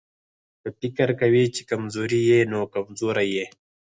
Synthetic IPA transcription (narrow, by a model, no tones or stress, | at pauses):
tət̪ikɐɾkɐwit͡ʃi̥kɐmzoːɾijenoːkɐmzoːɾajeː